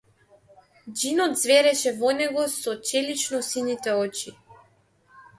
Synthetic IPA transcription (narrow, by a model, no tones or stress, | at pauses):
d͡ʒinɔd̪zvɛɾɛʃɛvɔnɛɡɔsɔt͡ʃɛlit͡ʃnɔsinit̪ɛɔt͡ʃi